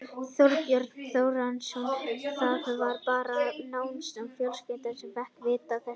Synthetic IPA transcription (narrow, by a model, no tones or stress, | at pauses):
θjɔɾt̪jœɾt̪θoːwɾansɔnθaðθœvaɾpaːɾanaːwnsɛmfjœlspɛt̪aɾ̥sɛmvɛhkvɪːt̪aθɛs